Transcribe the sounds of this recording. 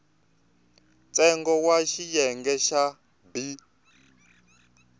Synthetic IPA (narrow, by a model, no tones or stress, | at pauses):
t͡sʼɛŋɡɔwaʃijɛŋɡɛʃa | bi